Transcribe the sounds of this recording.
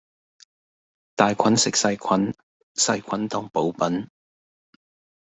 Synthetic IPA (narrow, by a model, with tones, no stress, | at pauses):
t̪aː˨jkʰɐ˨˥nsɪ˨k̚sɐ˧jkʰɐ˨˥n | sɐ˧jkʷʰɐ˨˥nt̪ɔː˨ŋpo˨˥wpɐ˨˥n